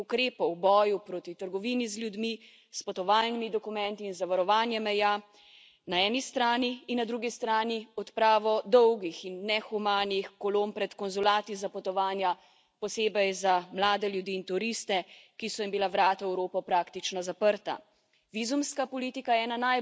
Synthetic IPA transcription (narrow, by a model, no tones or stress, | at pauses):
ukɾeːpɔwbɔːjupɾoːt̪it̪əɾɡɔʋiːnizljud̪mi | spɔt̪ɔʋaːlnimid̪ɔkumɛnt̪iːnzaʋaɾɔʋaːnjɛmɛja | naɛːnist̪ɾaːniːnːad̪ɾuɡist̪ɾaːniɔt̪pɾaːʋɔd̪ɔwɡixinːɛxumaːnixkɔloːmpɾɛt̪kɔnzulaːt̪izapɔt̪ɔʋaːnja | pɔseːbɛjzamlaːd̪ɛljud̪iːnt̪uɾist̪ɛkisɔjimbilaʋɾaːt̪aɛwɾoːpɔpɾaːkt̪it͡ʃnɔzapəɾt̪a̰ | ʋizumskapɔliːt̪ikajɛɛːnanaj